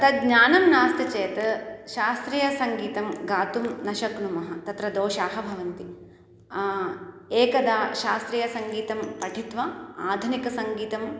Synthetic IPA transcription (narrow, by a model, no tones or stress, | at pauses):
t̪ɐɡɲaːnɐmnaːst̪ɐt͡ʃeːt̪ɐʃaːst̪ɾijɐsɐŋɡiːt̪ɐmɡaːt̪umnɐʃɐknumɐɦɐt̪ɐt̪ɾɐd̪oːʃaːɦɐbʱɐʋɐnt̪i | eːkɐd̪aːʃaːst̪ɾijɐsɐŋɡiːt̪ɐmpɐʈʰit̪ʋɐaːd̪ʱunikɐsɐŋɡiːt̪ɐm